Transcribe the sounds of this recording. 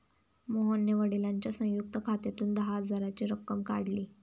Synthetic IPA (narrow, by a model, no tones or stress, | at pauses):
moɦənːeʋəɽilaɲt͡ɕjasə̃juk̚t̪əkʰat̪et̪uːnd̪əɦad͡zaɾat͡ɕiɾəkːəmkaɽliː